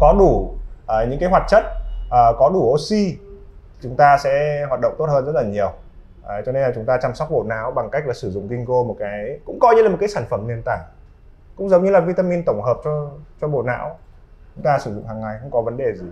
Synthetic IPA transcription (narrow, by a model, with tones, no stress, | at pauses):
kɔ˨˦ɗu˧˩ʔəː˨˩ɲɨ̰˧˥ŋkaː˨˦jwaː˨˩t̚t͡ɕə˦˥t̚ʔəː˨˩kɔ˨˦ɗu˧˩ʔo˧˩si˧ | t͡ɕʊ˨˦ŋ͡mt̪aː˧sɛ̰˧˥ɦwaː˨˩t̚ɗə̰˧˨ŋ͡mt̪o˦˥t̚həː˧nzə˦˥t̚laː˨˩ɲi˨˩əw | ʔə˨˦jt͡ɕɔ˧ne˧naː˨˩t͡ɕʊ˨˦ŋ͡mt̪aː˧t͡ɕa˧mswk͡p̚ɓo̰˧˩na̰ː˧˥wɓa˨˩ŋka˦˥jk̚la˨˩sɨ˧˩zʊ̰˧˨ŋ͡mk̪i˧ŋko˧mo˨˩t̚kaː˨˦jkʊ̰˧˥ŋ͡mkɔ˧jɲɨ˧la˨˩m̚˨˩kːaː˨˦saː˧˩nfə˧˩mni˧ənt̪a̰ː˧˩˨j | kʊ̰˧˥ŋ͡mzə˨˦wŋ͡mɲɨ˧laː˨˩vi˧t̪aː˧mi˧nt̪ə˧˩ŋ͡mɦəː˨˩p̚t͡ɕɔ˧t͡ɕɔ˧ɓo̰˧˩na̰ː˧˥w | t͡ɕʊ˨˦ŋ͡mt̪aː˧sɨ˧˩zʊ̰˧˨ŋ͡mɦaː˨˩ŋːa˨˩jxə̰˧˥ŋ͡mkɔ˨˦və˨˦nɗe˨˩zi˧˨˩